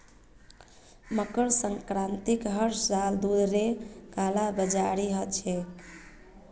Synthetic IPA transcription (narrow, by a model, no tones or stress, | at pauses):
məkəɾsəŋkɾant̪ikɦəɾsɾald̪ud̪ɾekalabəd͡ʒaɾiɦət̪t͡ʃʰɛ